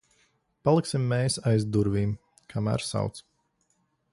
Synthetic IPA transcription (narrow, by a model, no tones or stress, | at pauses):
palˠiksimːɛːsajzd̪uɾviːm | kʰamæ̰ːɾsa̰wt̪s